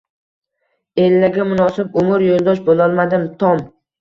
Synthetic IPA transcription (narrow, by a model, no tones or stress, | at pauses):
e̞lːaɡʲamʊnɒsɪbʊmʊɾjolˠd̪ɒʃbolˠɒlˠmad̪ɪmt̪ʰɒm